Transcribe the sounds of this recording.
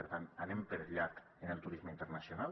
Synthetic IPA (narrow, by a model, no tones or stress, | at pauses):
eɾt̪ananempeɾʎat̪ | enelˠt̪uɾizməint̪eɾnasjonal